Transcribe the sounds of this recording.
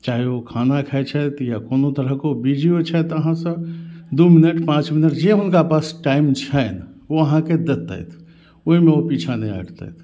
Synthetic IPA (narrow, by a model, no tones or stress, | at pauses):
t͡ʃaɦiokʰanakʰɛet͡ʃʰɛt̪jakoːnot̪əɾəɦkeobid͡ʒiot͡ʃʰɛt̪əɦãsə̃d̪uminəʈpãt͡ʃminəʈd͡ʒeɦʊnkapasʈaimt͡ʃʰɛnoəɦãked̪et̪ːə̰jt̪ʰ | oɦimẽopit͡ʃʰanəja̰ɽt̪ə̰jt̪ʰ